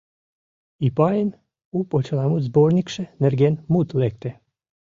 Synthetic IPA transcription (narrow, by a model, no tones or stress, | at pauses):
ipɑjən | upot͡ɕəlˠɑmut̪zbornʲikʃĕnerɡenmut̪lek̚t̪e